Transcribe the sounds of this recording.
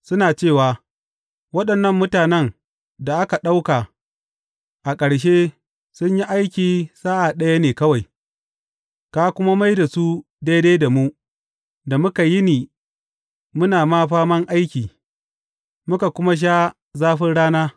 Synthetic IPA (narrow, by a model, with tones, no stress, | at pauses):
sʊ˦naː˨t͡ʃeː˦˨waː˨ | wɐ˦ɗɐ˨nːɐ˦mːʊ˦taː˨nɛ˦ŋ | da˨ʔa˦ka˨ɗa˦wka˨ | ʔa˨kʼɐ˨ɽʃ̬e˦ | sʊ˦ɲji˦ʔa˦jkʲiː˨saː˦ʔa˨ɗɐ˦ja˦neː˨kɐ˦wa˨j | kaː˦kʷʊ˦ma˦ma˦jda˨su˦ | da˦jdeː˦jda˨mu˦ | da˨mʊ˦ka˨jɪ˦niː˨ | mʊ˦naː˨maː˦ɸaː˦mɐ˦ŋʔa˦jkʲiː˨ | mʊ˦ka˨kʷʊ˦ma˦ʃ̬aː˦ | zaː˦ɸɪ˦nɽaː˦naː˦